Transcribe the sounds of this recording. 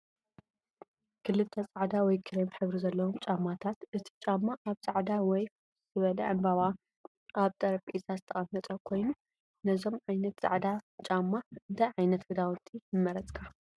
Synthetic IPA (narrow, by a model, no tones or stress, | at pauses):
kʰɨlːɨlt̪ʰɐt͡sʼaʕd̪awɔjkʰɨɾɐmħɨβɾizɐlːɐwomt͡ʃʼamːat̪ʰat̪ʔɨt̪ʰi̥t͡ʃʼamːaʔaβsʼaʕd̪awɔj | z̥ɨβɐlɐ̰ʔɨmbɐβa | ʔaβt̪ʼɐɾɐfʼisazɨt̪ʰɐχʼɐmːɐt̪ʼɐkʰo̞jnu | nɐzo̞mʕajnɐt̪zʼa̰ʕd̪at͡ʃʼamːaɨnd̪aʕajnɐt̪ɡɨd̪awʊt̪ʼːinɨmːɐɾɐt͡sʼkʰa